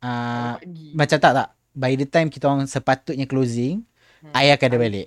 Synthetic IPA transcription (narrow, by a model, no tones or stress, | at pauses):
a | mãt͡ʃat̪aʔ̚t̪aʔ | bajdət̪ajmkit̪aaŋsəpat̪ut̪̚ɲaklozɪŋ | ajakadabalḛʔ